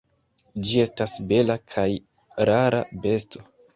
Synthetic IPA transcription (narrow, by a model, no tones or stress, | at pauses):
d͡ʒie̞stasbe̞lakʰaj | ɾaɾa̰be̞stʰo̞